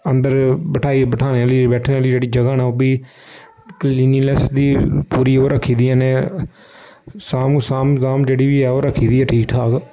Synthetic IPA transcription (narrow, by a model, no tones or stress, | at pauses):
ənd̪əɾbəʈʰaːiːbəʈʰaːneːaːliːbɛːʈʰneːaːliːd͡ʒeːɽiːd͡ʒəɡaːnaːoːbiː | kliːniːlɛsd̪iːpuːɾiːoːɾəkʰːiːd̪iːɛːneː | saːmsaːmzaːmd͡ʒeːɽiːʋiːɛːoːɾəkʰːiːd̪iːɛːʈʰiːkʈʰaːk